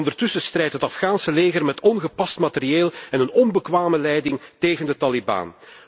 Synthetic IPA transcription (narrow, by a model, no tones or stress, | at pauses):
ndərtʏsəst̪rɛjtɦətɑfxaːnsəleːɣərmɛtɔnɣəpɑstmatərieːlˠɛnənɔnbəkʋaːməlɛjdɪŋteːɣəndətɑliba̰ːn